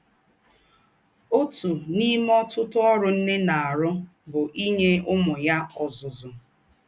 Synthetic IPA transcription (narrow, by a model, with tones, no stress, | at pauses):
o˦tu˨ni˦m˦ɔ˦tʊ˦tʊ˦ɔ˦ɾʊ˦n̩˦ne˦na˨a˨ɾʊ˦ | bʊ˨ʔi˦ɲe˦ʊ˦mʊ˨ja˦ɔ˨zʊ˨zʊ˨